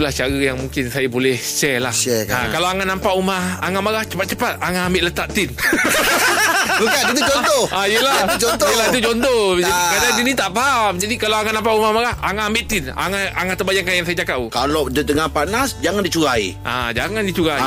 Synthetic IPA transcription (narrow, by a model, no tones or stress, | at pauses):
laht͡ʃaɾajaŋmũŋkɪnsajabolɛhʃɛlahɛa̰kalawaŋanãmpaʔumahaŋamaɣaht͡ʃə̥pat̪̚t͡ʃəpat̪̚aŋaambɪʔlət̪aʔt̪ɪn | bəkanit̪ud͡ʒɔnt̪ɔʔajəlaad͡ʒɔt̪əlait̪ud͡ʒɔnt̪ɔd͡ʒaikadandinĩt̪aʔpaɦamd͡ʒadikalaaŋaʔnampaʔumahmaɣahaŋaambɪʔt̪ɪna̰ŋaaŋat̪əbajaŋkːanjaŋs̬ajat͡ʃakaʔukaladədəŋanpanasd͡ʒaŋandit͡ʃuɡaḭʔa̰d͡ʒaŋandit͡ʃuɡai